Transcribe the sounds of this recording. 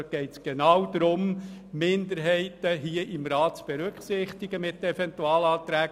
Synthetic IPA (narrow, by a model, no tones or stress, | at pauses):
ɡ̥ɛɪtsɡ̥enɑwd̥̪ɾʊmmɪnd̪əɾɦɛɪtəɦiəʔɪmɾɑːtt͡sb̥eɾʏkχsɪχt̪ɪɡəmɪtːɛfɛnt̪uɑːlɑːt̪ɾæːɡ